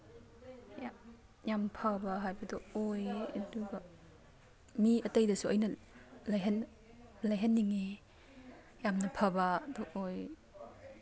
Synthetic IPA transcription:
ja | jampʰabaɦajbɐdɔojɐduba | miɐtejdɐsuʔɐjnɐ | lajɦan | lajɦanːiŋe | jamnɐpʰabadɔʔoj

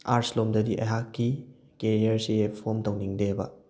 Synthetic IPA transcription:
a̰ɾslomdɐdiʔɐ̰jɦakːi | keɾiɐɾsipʰomtɐwniŋdebɐ̰

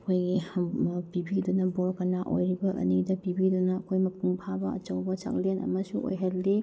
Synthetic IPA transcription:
kʰojɡi | pibidunɐboɾkɐnaʔo̰jɾibɐʔɐ̰nidɐpibidunɐːkʰojmɐpʰuŋpʰabɐɐ̰t͡ʃɐwbɐt͡ʃa̰klenɐ̰mɐsuʔo̰jɦaɾli

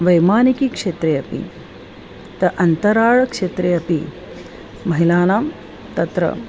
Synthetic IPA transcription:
ʋɐjmaːnikikʂeːt̪ɾejɐpḭ | t̪ɐʔɐnt̪ɐɾaːɻɐkʂeːt̪ɾejɐpi | mɐɦilaːnaːm | t̪ɐt̪ɾɐ̰

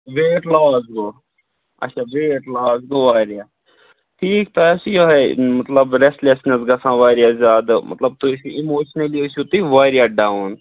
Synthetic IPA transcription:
ʋeːʈlaːsɡo | ɐ̰ːʃʰaʋeːʈlaːsɡoʋaːɾjaː | ʈʰiːk̚t̪ɐɐsijoɦɛmɐt̪lɐbɾesʈlesnesɡɐsãːʋaːɾijazʲaːd̪amɐ̰t̪lɐb̚t̪usiimoːʃnɐliosut̪iʋaːɾijaɖaʊn

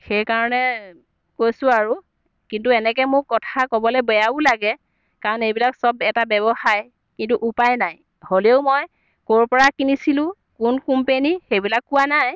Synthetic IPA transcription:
xejkaɹɔnɛ | kojsʊ̃aɹu | kintuɛnɛk̬ɛmʊkkɔtʰakɔbɔlɛbɔjabʊlaɡɛ | kaɹɔnejbilaksɔbɛtabɛbɔxaj | kintuʔupajnaj | holeʊmɔj | koɹpɔɹakinisilʊ̃ | kunkumpenixejbilakːʊwanaj

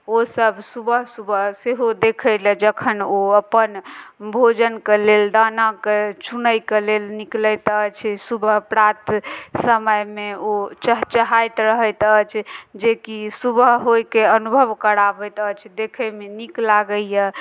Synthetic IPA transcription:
osəbʱsubəɦsubəɦseɦod̪ekʰəjlɛd͡ʒəkʰənoəpənbʱod͡ʒənkeleld̪anaket͡ʃʰunəjkelelniklət̪ət͡ʃʰsubəɦpɾat̪səməjmeot͡ʃəɦt͡ʃəɦajt̪ɾəɦəjt̪ət͡ʃʰd͡ʒekisubəɦɦojkeənubʱəʋkəɾabət̪ət͡ʃʰd̪ekʰəmeniklaɡəjə

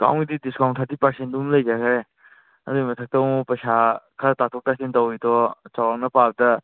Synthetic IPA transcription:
ka̰wŋɡididiskawntʰaɾtipɐɾsent̚dumləjd͡ʒakʰaɾe | ɐduɡimɐtʰɐk̚tɐwmupɐsakʰatatʰɔk̚tasentɐwitɔt͡ʃawawnɐpab̚dɐ

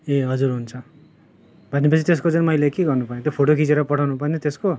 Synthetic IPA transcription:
eɦʌd͡zuɾɦunt͡sʰʌ | bʱʌnːepʌt͡sʰit̪eskot͡sunmʌjlekeɡʌrnupajẽt̪jopʰoʈokʰit͡seɾʌpʌʈʰawnupaj̃nit̪esko

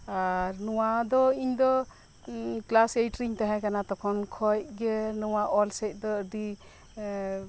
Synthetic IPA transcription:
aɾnɔwad̪ɔiɲd̪ɔ | klasejʈɾiɲt̪aɦãkanat̪ɔkʰɔnkʰɔjɡɛnɔwaʔɔlsɛjt̚ˀd̪ɔdi

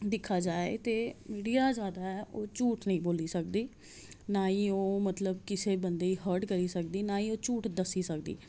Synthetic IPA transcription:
d̪ɪkʰːaːd͡ʒaːḛt̪eːmiːɖijaːzjaːd̪aːɛːʔoːt͡ʃuːʈnəɦĩːboːliːsək̚d̪iː | naːĩːoːmət̪ləbkɪseːbənd̪eːiːɦəɾʈkəɾiːsək̚d̪iːnaːiːoːt͡ʃuːʈd̪əsːiːsək̚d̪ḭː

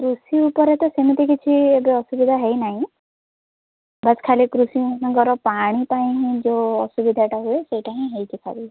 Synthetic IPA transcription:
kɾusiupɔɾet̪ɔsemit̪ikit͡ʃʰiebeɔsubid̪ʱaɦejnaɦĩ | baskʰalikɾusinãɡɔɾɔpaɽ̃ipaj̃ĩɦĩd͡ʒoɔsubid̪ʱaʈaɦueseʈaɦĩɦejtʰikʰa̰bi

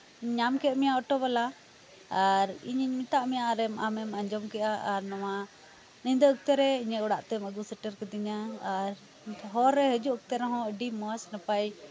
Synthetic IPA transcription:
ɲɲamkɛʔmijaɔʈɔβalaː | ɾḭɲiɲmit̪aʔmɛjaʔɾɛmamɛmaɲd͡ʒɔmkɛʔaaɾnawa | nind̪əək̚t̪əɾɛiɲəɔɽaʔt̪ɛməɡusəʈəɾkɛd̪iɲaːɾ | ɦɔɾːɛɦəd͡ʒuʔək̚t̪əɾɛɦɔ̃əɖimɔsnəpaj

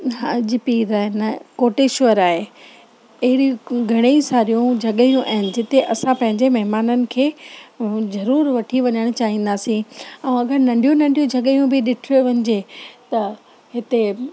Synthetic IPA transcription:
ɦaːd͡ʑɪpiːɾaːɦɪnkoːʈeʃʊʋəɾaːɦe | ɐɦɪɽĩɡʱɐɽ̃eisaːɾijũd͡ʑʱɐɠəijũʔaɦɪnɪ̆d͡ʑɪt̪eʔɐsãpɐ̃ɦɪ̃ɲd͡ʑemɐɦɪmaːnənɪ̆kʰeː | zɐɾuːɾʋɐʈʰiʋɐɲəɽ̃t͡ɕaːɦĩːn̆d̪aːsĩɛ̃ũɐɡəɾnɐ̃ɳɖijũnɐ̃ɳɖijũd͡ʑʱɐɠijũbɪɗɪʈʰoʋɐɲɪd͡ʑet̪ɐ | ɦɪt̪e

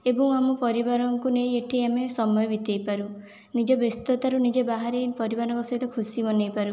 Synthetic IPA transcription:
ebɔŋamɔpɔɾibaɾɔŋkunejeʈʰiamesɔmɔjɔbit̪ejpaɾu | nid͡ʒɔbest̪ɔt̪aɾunid͡ʒebaɦaɾipɔɾibaɾɔŋkɔsɔɦit̪ɔkʰusimɔnejpaɾu

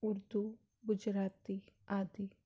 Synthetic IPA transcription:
uɾd̪u | ɡud͡ʒɾaːt̪iaːd̪i

